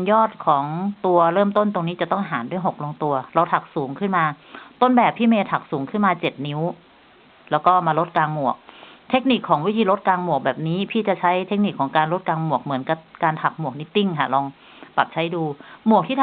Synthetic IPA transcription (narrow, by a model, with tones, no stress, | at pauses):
jɔː˥˩t̪̚kʰɔː˩˦ŋt̪u˧ɐɾɤː˥˩mt̪o˥˩nt̪o˧ŋniː˦˥t͡ɕa˨˩t̪ɔ˥˩ŋɦaː˩˦ndu˥˩ə˨jɦo˨˩k̚lo˧ŋt̪u˧ɐɾa˧wt̪ʰa˨˩k̚suː˩˦ŋkʰɯ˥˩nmaː˧t̪o˥˩nbɛː˨˩pʰːiː˥˩meː˧t̪ʰa˨˩k̚suː˩˦ŋkʰɯ˥˩nmaː˧t͡ɕe˨˩t̪̚ni˦˥w | lɛː˦˥wkɔː˥˩maː˧lo˦˥t̪̚kaː˧ŋmu˨˩ək̚t̪ʰe˦˥k̚ni˨˩kʰːɔː˩˦ŋwi˦˥t̪ʰiː˧lo˦˥t̪̚kaː˧ŋmu˨˩ək̚bɛː˨˩p̚niː˦˥pʰiː˥˩t͡ɕa˨˩t͡ɕʰa˦˥jt̪ʰe˦˥k̚ni˨˩kʰːɔː˩˦ŋkaː˧nlo˦˥t̪̚kaː˧ŋmu˨˩ək̚mɯ˩˦ənka˧˩p̚kaː˧nt̪ʰa˨˩k̚mu˨˩ək̚ni˦˥t̪i˥˩ŋkʰa̰˧˥˩lɔː˧ŋ | pa̰˨˩p̚t͡ɕʰa˦˥jduː˧mu˨˩ək̚t̪ʰiː˥˩˨